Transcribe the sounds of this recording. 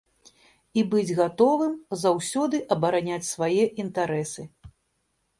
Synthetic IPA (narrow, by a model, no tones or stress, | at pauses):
ibɨd͡zʲɣat̪ɔvɨmzawsʲɔd̪ɨʔɐbɐɾanʲat͡sʲsvajɛʔint̪aɾɛsɨ